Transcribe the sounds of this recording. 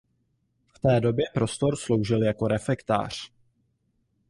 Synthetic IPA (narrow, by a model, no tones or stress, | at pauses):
ft̪ɛːdo̞bjɛpɾo̞st̪o̞ɾslo̞wʒɪljako̞ɾɛfɛkt̪a̰ːr̝̥